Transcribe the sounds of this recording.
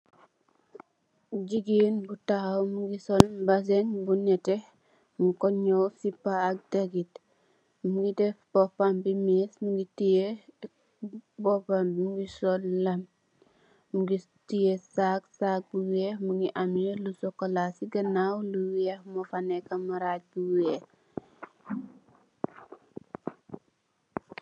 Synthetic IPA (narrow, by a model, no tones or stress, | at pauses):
d͡ʒiɡinbutahawmuɡisolbas̬eŋbunɛteh | mukɔɲowsipːaːk̚daɡit | muɡidɛfb̥ɔpambimismuɡitije | bɔpammuɡisɔlːɐm | muɡi | tijesaksak̚buwehmuŋɡiʔamjolusɔkɔlasiɡɐnawluwehmofanɛkɐmaɾat̚buweh